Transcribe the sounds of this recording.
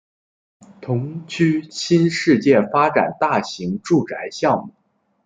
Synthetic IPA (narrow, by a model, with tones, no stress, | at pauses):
t̪ʰʊ˧˥ŋt͡ɕʰy˥ɕi˥nʂɻ̩˥˧t͡ɕjɛ˥˩nfa˥ʈ͡ʂa̰˨˩nt̪a˥˩ɕi˧˥ŋʈ͡ʂu˥˩ʈ͡ʂa˧˥ɪɕjɑ˥˧ŋmu˥˩˦